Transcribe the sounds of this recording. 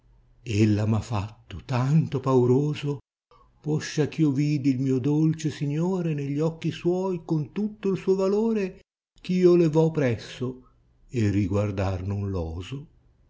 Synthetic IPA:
elːamafːat̪ːot̪ant̪opawɾoːzo | pɔʃːak̟iːoviːd̪ilmiːod̪olt͡ʃesiɲːoːɾeneʎːɔk̟ːiswɔːjkont̪ut̪ːoilsuːovaloːɾe | k̟iːolevɔpːɾɛsːo | erːiɡward̪arnʊnlɔːzo

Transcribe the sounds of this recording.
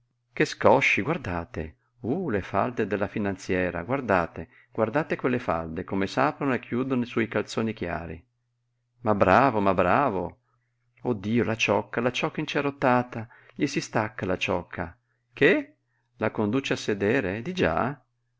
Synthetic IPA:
keskɔʃːiɡward̪aːt̪ḛ | ulefald̪ed̪elːafinant̪sjɛːɾa̰ɡward̪aːt̪e | ɡ̥ward̪aːt̪ekwelːefa̰ld̪ekomesaːpɾonoekʰːjuːd̪onoiswɔjkalt̪soːnikja̰ːɾḭ | mabːɾaːvomabːɾaːvo | od̪ːiːolat͡ʃɔkːalat͡ʃɔkːaint͡ʃeɾot̪ːaːt̪a | ʎisist̪akːalat͡ʃɔkʰːa̰ | ke | lakond̪uːt͡ʃeasːed̪ɛːɾed̪id͡ʒa̰

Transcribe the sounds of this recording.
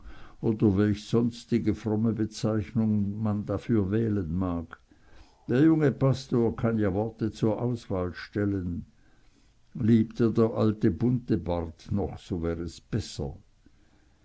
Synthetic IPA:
ʔoːdɐvɛlçsɔnstɪɡəfʁɔməbət͡saɪçnʊŋmandafyːɐvɛːlənmaːk | d̥eːɐjʊŋəpʰastoːɐkʰanjaːvɔɐtət͡suːɐʔaʊsv̥aːlʃtɛlən | liːptəːɐdeːɐʔaltəbʊntəbaʁtnɔχsoːvɛːʁəsb̥ɛsɐ̰

